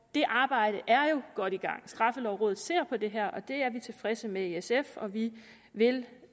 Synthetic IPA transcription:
d̥e̝ʔɑ̈ːb̥ɑ̈ɪ̰ɾ̥əʔæɐjo̝ɡ̥ɒ̽ɾ̥iɡ̥ɑ̈ŋ̰sd̥ʁɑ̈fəlɒʊʁɔ̰ːðð̩ˠse̝ɐ̰pʰɒ̽d̥e̝ɦɛɐ̰ʔɒ̽d̥e̝æɐʋit͡sʰe̝lfʁɛsəmeeesefɒ̽ʋi | ʋe̝l

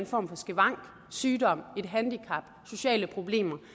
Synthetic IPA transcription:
enfɒ̰ːmfɒ̽sɡ̥eʋɑ̈ŋ̰ɡ̥ | syːd̥ɒ̽m̰e̝d̥ɦænd̥ikʰɑ̈b̥so̝ɕɛ̰ːləpʰʁo̝b̥le̝̰ːmɐ

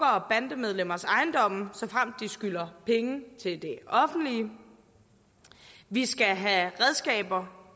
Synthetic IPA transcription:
ɐɒb̥ænd̥əmeð̞ˠlem̰ɐsɑ̈ɪnd̥ɒ̽m̰̩sɒ̽fʁam̰d̥isɡ̥ylɐpʰeŋət͡sʰe̝ld̥e̝ɒ̽fn̩d̥liə | ʋisɡ̥æɦæʁɛð̞ˠsɡ̥ɛ̰ːb̥ɐ

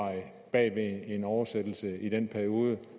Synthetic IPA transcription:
ɑɪ | b̥ɛ̰ːʋee̝nɒʊɐsed̥l̩səid̥enpʰæɐio̝ːðˠə

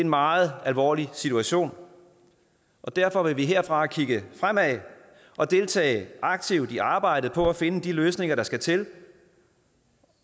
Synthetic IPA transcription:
enmɑ̈ːð̩ˠælʋɒ̰ːlisit͡sʰuæɕo̝̰ːn | ʔɒ̽d̥æɐ̰fɒ̽ʋe̝ʋiɦeɐ̰fʁɑ̈kʰiɡ̥əfʁam̰æ | ʔɒ̽d̥e̝lt͡sʰɛ̰ːɪʔɑ̈ɡ̥̚t͡sʰiʊ̰d̥iɑ̈ːb̥ɑ̈ɪ̰d̥ð̩ˠpʰɒ̽æfe̝nəd̥iløːsne̝ŋɐɾ̥ɑ̈sɡ̥æt͡sʰe̝l

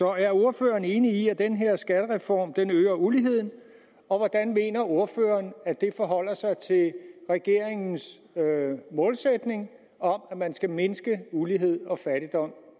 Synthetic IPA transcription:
sɒ̽æɐo̝ɐfø̰ːɐːne̝ːniiæd̥enɦe̝ɐ̰sɡ̥æɾ̥əʁɛfɒ̰ːmd̥enøːɐuliɦe̝ð̰ˠn̩ | ɒ̽ʋɒd̥ænme̝̰ːnɐo̝ɐfø̰ːɐnæd̥e̝fɒɦɒ̽l̰ɐsɑ̈ɪt͡sʰe̝lʁɛɡ̥e̝ɐ̰eŋn̩s | mɔ̽ːlsed̥ne̝ŋ | ɒ̽mæmænsɡ̥æme̝nsɡ̥əuliɦe̝ð̞̰ˠɒ̽fæɾ̥id̥ɒ̽m̰

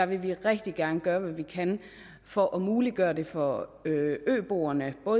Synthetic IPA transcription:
ɑʋe̝ʋiʁɛɡ̥d̥iɡ̥ænəɡ̥ɶːɐʋæʋikʰæn | fɒʔɒmuːliɡ̥ɶːɐde̝fɒ̽øø̰ːb̥o̝̰ːɐnəb̥ɔ̽ː

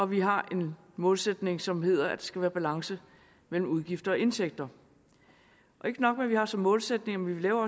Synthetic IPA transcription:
ɒ̽ʋiɦɑ̈e̝n | mɔ̽ːlsed̥ne̝ŋsɒ̽mɦe̝ð̞̰ˠɐæd̥esɡ̥æʋæːɐb̥ælɑ̈ŋsə | mel̰m̩uðˠɡ̥ifd̥ɐɒe̝nt͡sʰeɡ̥̚d̥ɐ | ʔɒ̽e̝ɡ̥ənɒ̽ɡ̥meʋihɑ̈sɒ̽mːɔ̽ːlsed̥ne̝ŋmenʋiʋe̝lɛːʊɐɒ̽

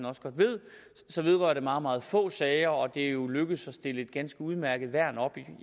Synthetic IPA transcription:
nɒ̽sɡ̥ɒ̽d̥ʋe̝ð̞̰ˠ | sɒ̽ʋe̝ð̞ˠʁɶ̰ɐɾ̥e̝mɑ̈ːð̩ˠmɑ̈ːð̞̩ˠfɔ̰̽ːsɛːɪɐɒ̽d̥e̝jo̝løɡ̥əð̩ˠsɒ̽sd̥e̝ləe̝d̥̚ɡ̥ænsɡ̥əuð̞ˠmæɐɡ̥ð̩ˠʋæɐ̰nɒ̽b̥i

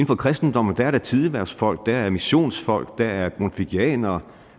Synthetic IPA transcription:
n̩fɒ̽kʰʁɛsd̥n̩d̥ɒ̽m̰̩d̥æɐɾ̥æt͡sʰiðˠiʋæɐsfɒ̽l̰ɡ̥̚d̥æɐæɐmiɕo̝̰ːnsfɒ̽l̰ɡ̥̚d̥ææɐɡ̥ʁonfiɡ̥iɛ̰ːnɐ

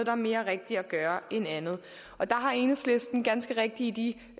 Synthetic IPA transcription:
d̥ɑ̈ɐme̝ːɐʁɛɡ̥̚d̥iɒɡ̥ɶːɐenænð̞̩ˠ | ɒ̽d̥ɑ̈ɦɑ̈e̝ːnəsle̝sd̥n̩ɡ̥ænsɡ̥əʁɛɡ̥̚d̥iːd̥i

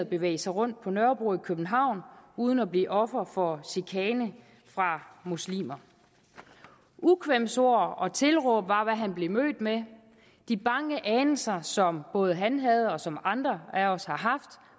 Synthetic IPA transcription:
ð̩ˠb̥e̝ʋḛɪsɑ̈ɪʁɔ̽n̰d̥̚pʰɒ̽nɶɐb̥uikʰøb̥n̩ɦɑ̈ʊ̰nuːð̞ˠən̩ɒb̥lḭːʔɒ̽fɐfɒ̽ɕikʰɛːnə | fʁɑ̈muslḭːmɐ | ʔukʰʋem̰so̝ɐ̰ɒ̽t͡sʰe̝lʁɔb̥ʋɑ̈ʋæɦænb̥le̝mø̰ːd̥me | d̥ib̥ɑ̈ŋəʔɛːnəsɐsɒ̽mb̥ɔ̽ːð̞ˠɦænɦæð̞̩ˠɒ̽sɒ̽mɑ̈nd̥ʁɐæɒ̽shɑ̈ɦɑ̈fd̥

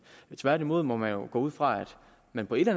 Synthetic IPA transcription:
t͡sʰʋæɐɾimo̝ð̞̰ˠmɒ̽mænjo̝ɡ̥ɔ̰̽ːuð̞̰ˠfʁɑ̈æd̥ | mænpʰɒ̽e̝d̥læn

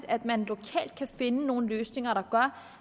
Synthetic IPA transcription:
d̥æd̥mænlo̝kʰɛ̰ːld̥̚kʰæfe̝nəno̝ːn̩løːsne̝ŋɐɾɑ̈ɡ̥ɶɐ̰

